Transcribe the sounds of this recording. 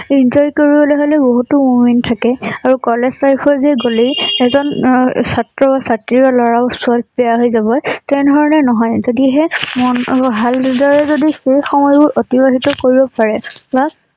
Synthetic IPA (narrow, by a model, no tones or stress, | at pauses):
inzɔjkoɹibɔleɦolɛboɦutʊmumintʰakɛaɹukɔleztaɹipʰɔɹzɛɡoliɛzɔnsatɹɔbasatɹibalɔɹaʊsualpɛjaɦojzabɔjtɛɹdʱɔɹɔnɛnɔɦɔjzodiɦɛmɔnɦaldɔɹɛzodixejxɔmɔjbʊɹʔotibaɦitɔkoɹibɔpaɹɛba